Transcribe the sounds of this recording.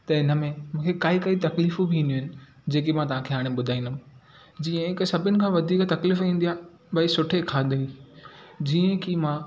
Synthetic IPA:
t̪ɐɪnəmẽmũːkʰekaːikɐit̪ɐkliːfubʱiĩːnd̪uɦɪnɪ̆ | d͡ʑeːkemãt̪ɐʋ̤ãkʰeɦaːɽ̃ẽɓʊd̪ʱaːĩnd̪ʊm | d͡ʑiːə̃ɪksɐbʱɪnɪ̆kʰãʋɐd̪ʱiːkt̪ɐkliːfĩːnd̪ijaː | bɐisʊʈʰekʰaːd̪ʱeĩ | d͡ʑiːə̃kʰimãː

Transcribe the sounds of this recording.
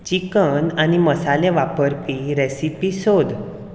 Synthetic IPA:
t͡ɕikənaniməsalẽʋapəɾpiɾesipisod̪

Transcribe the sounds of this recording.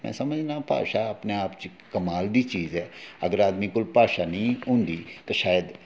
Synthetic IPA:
mɛ̰̃ːsəməd͡ʒnãːpa̰ːʃaəpneaːpt͡ʃ | kəmaːld̪iːt͡ʃiːzɛːəɡəɾaːd̪miːkʊlpaːʃaːnəĩːɦʊ̃ːnd̪iːt̪aːʃaːjəd̪

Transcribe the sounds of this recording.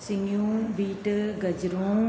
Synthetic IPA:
sɪŋjũːbiːʈɡɐd͡ʒɾõː

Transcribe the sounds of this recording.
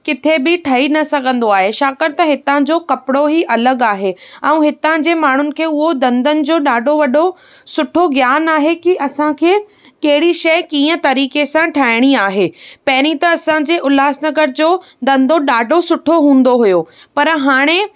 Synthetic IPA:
kɪt̪ʰebɪʈʰɐinɐsɐɡʱə̃nd̪oaːɦeʃaːkəɾt̪ɐɦɪt̪ãd͡ʑoːkɐpɪɽoɦiʔɐləɡaːɦeɛ̃ũɦɪt̪ãd͡ʑeːmaːɳ̤ʊnɪ̆kʰeːʊɦod̪ɐ̃nd̪ənɪ̆d͡ʑoːɗaːɖʱoʋɐɗo | sʊʈʰoɡjaːnaːɦekiʔɐsãkʰeː | kɐɦɪɽiʃɐɪkĩːə̃t̪ɐɾiːkesãʈʰaːɪɽ̃iaːɦeːpɐɦɪɾ̃it̪ɐːsãd͡ʑeːʔʊlaːsnɐɡəɾd͡ʑoː | d̪ɐ̃nd̪ʱoɗaːɖʱosʊʈʰoɦũːn̆d̪oɦujoːpɐɾɦaːɽ̃e

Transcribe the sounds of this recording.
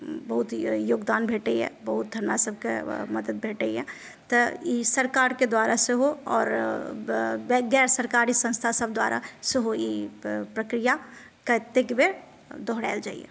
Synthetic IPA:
bɐɦʊt̪joːɡd̪aːnbʱeːʈeɛ̰̃ːbɐɦʊt̪̚d̪ʱəɾnasəb̚kḛmɐd̪əd̪̚bʱeːʈeiɦɛ̰ː | t̪ɐisəɾkaːɾked̪waːɾaseɦoɔ̰ːɾ | ɡɛːɾsəɾkaːɾisə̃nst̪ʰasəb̚d̪wa̰ːɾʔa̰seɦojepɾəkɾija | kat̪ːekebeɾ | d̪ɔɦɽa̰ːɪld͡ʒa̰ːḭḛ

